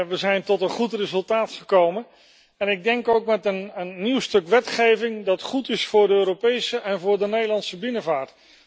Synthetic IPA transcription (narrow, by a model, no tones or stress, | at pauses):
ʋəzɛjntɔtənχutrezɵlˠtaːtχəkowmən | ɛnɪɡ̚dɛŋkowkmɛtənənːiwstɵkʋɛtχejvɪŋdɑtχutɪsfʊːɹdəøːɾopejsəʔɛnvʊːɹdənejdəlɑntsəbɪnəvaːɹt